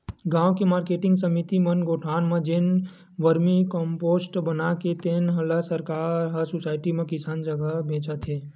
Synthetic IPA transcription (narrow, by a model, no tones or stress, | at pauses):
ɡãːwkemaːɾkeːʈɪ̃ŋɡsəmit̪imənɡoːʈʰaːnmẽd͡ʒen | ʋəɾmikɔ̃ːmpoːsʈbənaket̪eːnɦɐləsəɾkaːɾɦəsʊsaːɪʈimẽkɪsaːnd͡ʒəɡəbʱẽːt͡ʃət̪ɦeː